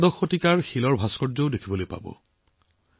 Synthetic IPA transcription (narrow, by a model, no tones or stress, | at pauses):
dɔxotikaɹxilɔɹbʱaskɔɹzɔʊdekʰibolojpa̰bɔ̰